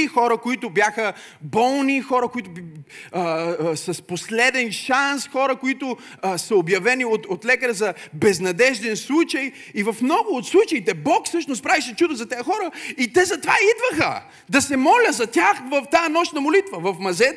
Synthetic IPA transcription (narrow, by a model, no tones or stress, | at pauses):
ixɔɾəkoit̪ʊbjaxə | bɔlˠnixɔɾəkʊit̪ʊ | sɐsposlɛd̪ɛnʃansxɔɾəkoit̪ʊ | sɐobjɐvɛniot̪ot̪lɛkəɾzɐbɛznɐd̪ɛʒd̪ɛnslˠut͡ʃɐj | ivɐfmnɔɡʊot̪slˠut͡ʃəit̪ɛbɔksɤʃnʊst̪̚pɾaviʃɛt͡ʃud̪əzɐt̪ɛjəxɔɾəit̪ɛzɐt̪ova̰id̪vəxə̰ | d̪ɐsɛmɔlʲəzɐt̪ʲaxvɐft̪aənɔʃnɐmolit̪vəvɐfmɐzɛ